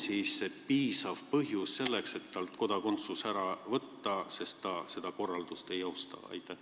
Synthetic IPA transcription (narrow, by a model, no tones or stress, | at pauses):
siːsːepiːsɑv̥pɤɦjusse̞lːe̞kset̪ːɑlt̪ko̞d̪̥ɑko̞nt̪susæɾɑvɤt̪ːɑse̞st̪t̪ɑse̞d̪ɑko̞rːɑld̪̥ust̪e̞jɑwst̪ɑ̰ɑ̰jt̪ːˑæh